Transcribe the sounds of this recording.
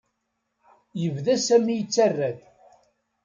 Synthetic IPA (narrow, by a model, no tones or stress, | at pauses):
jəvðæsæmːijət͡sːærːæθ